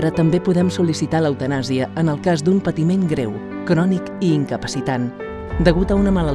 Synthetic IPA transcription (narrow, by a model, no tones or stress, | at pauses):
ɾət̪əmbepuðɛmsulisit̪aləwt̪ənaziəənəlˠkazd̪umpət̪imenɡɾew | kɾɔnikiːŋkəpəsit̪an | d̪əɣut̪əunəmələl